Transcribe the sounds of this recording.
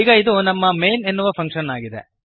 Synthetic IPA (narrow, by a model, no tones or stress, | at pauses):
iːɡɐid̪unɐmːɐmejne̞nːuʋɐpʰɐŋkʂɐnaːɡid̪ḛ